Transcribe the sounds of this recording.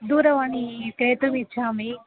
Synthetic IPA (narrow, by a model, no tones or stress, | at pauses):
d̪uːɾɐʋɐnikɾeːt̪umit͡ʃːaːmi